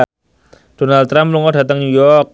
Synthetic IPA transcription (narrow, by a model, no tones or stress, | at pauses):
d̥onalt̪ːɾamluŋɔdat̪əŋnujɔk̚